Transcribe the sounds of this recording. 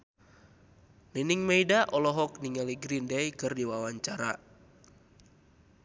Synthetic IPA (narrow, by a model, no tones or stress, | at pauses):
niniŋmejdaʔɔlɔɦɔk̚niŋaliɡɾindɛjkɨrdiwawaɲt͡ʃaɾa